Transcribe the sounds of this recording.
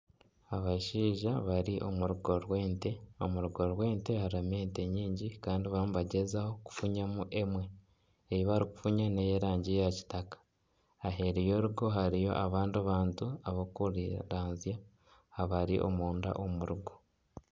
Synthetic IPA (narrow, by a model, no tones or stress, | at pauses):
aβaʃiːʒaβaɾiʔo̞muɾuɡo̞ɾwe̞ːnte̞o̞muɾuɡo̞ɾwe̞ːnte̞haɾame̞ːnte̞ɲiːɲɟikaːndiβamuβaɟe̞zaho̞ku̥fuɲamuʔe̞mwe̞ | ejiβaɾiku̥fuɲanejeɾaːɲɟijaci̥takḁː | ɦe̞ɾijo̞ɾuɡo̞ɦaɾijo̞̰ʔaβaːndaβaːntuaβokuɾiɾaːnzja | haβaɾḭʔo̞̰muːnda̰ʔomuɾuɡo̞